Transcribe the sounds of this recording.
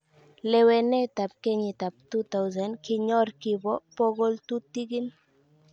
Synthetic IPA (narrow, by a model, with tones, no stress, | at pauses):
le˨we˨ne˦t̪a˨p̚ke˦ɲi˨t̪a˨p̚t̪u˦t̪a˦wzɛ˨nkiɲɔ˦ɾki˨bɔ˦po˦ɣo˦lt̪u˦t̪i˦ɡi˦n